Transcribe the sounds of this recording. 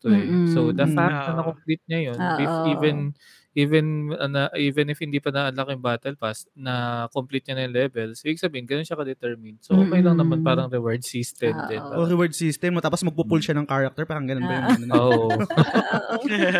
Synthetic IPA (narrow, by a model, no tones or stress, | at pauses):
t̪oɛsod̪apaːɐnɐkomplit̪̚ɲɐjonʔɪfiːvɛn | ʔiːvɛnɐnɐʔiːvɛnɪfhɪnd̪iːpɐnɐʔɐnlɐkɪʊŋbaːt̪ɛlpasnɐkomplit̪̚ɲɐnɐjŋlɛːbɛlsʔibiɡ̚sɐbiːhɪnɡɐnonɐkɐd̪ɛt̪ɛɹmɪnsoʔokɐjlɐŋnɐmɐnpaːɾɐŋɾɛwɛɹd̪̚sist̪ɛnɛpaʔoɾɛwɛɹd̪̚sist̪ɛmmot̪aːpɔsmɐɡ̚pupʊlʃɐnɐŋkaːɹɐk̚t̪ɛɹpaːɾɐŋɡɐnonbɐjʊŋɐnonoːoʔo